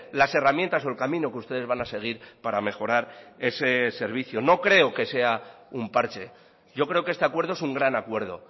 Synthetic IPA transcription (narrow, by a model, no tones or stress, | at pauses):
lase̞ramjent̪aso̞elkamĩno̞keust̪e̞ð̞e̞zβanase̞ɣ̞iɾpaɾame̞xo̞ɾaɾe̞se̞se̞ɾβ̞iθjono̞kɾe̞oke̞se̞a | umpaɾt͡ʃe̞ | ɟ͡ʝo̞kɾe̞okeest̪e̞akwe̞ɾðoesuŋɡɾanakweɾð̞o̞̰